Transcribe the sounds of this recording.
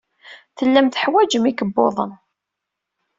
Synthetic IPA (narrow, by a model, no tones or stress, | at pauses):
θəlːæmθəħwæd͡ʒəmikəbːo̰ðˤə̰n